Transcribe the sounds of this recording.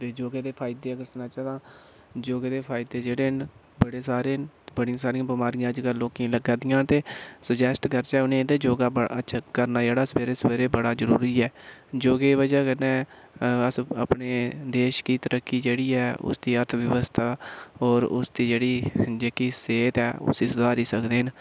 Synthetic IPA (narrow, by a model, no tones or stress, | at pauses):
t̪eːd͡ʒoːɡeːd̪eːpʰaːɪd̪eːəɡəɾsnaːt͡ʃaːd̪ãː | d͡ʒoːɡeːd̪eːpʰaːɪd̪eːd͡ʒeːɽeːn | bəɽeːsaːɾeːnbəɽijãːsaːɾijãːbɪmaːɾɪjãːəd͡ʒɡəlːõːkĩləɡãːd̪ɪjãːt̪eːsəd͡ʒɛːsʈɡəɾt͡ʃɛːʊnẽːd̪eːd͡ʒoːɡaːbəətːʃʰaːkəɾnaːd͡ʒeːɽaːsəbeːɾeːsəʋeːɾeːbəɽaːzəɾṵːɾiːɛːd͡ʒoːɡeːʋəd͡ʒɛːkənɛ̃ːəsə̰pneːd̪eːʃkiːt̪əɾəkːiːd͡ʒeːɽiːɛːʊ̰sd̪iːəɾt̪ʰʋjəʋəst̪ʰaːɔːɾʊ̰sd̪iːd͡ʒeːɽiːd͡ʒeːkiːseːt̪ɛːʊ̰siːsʊd̪ʱaːɾiːsəkd̪eːɦn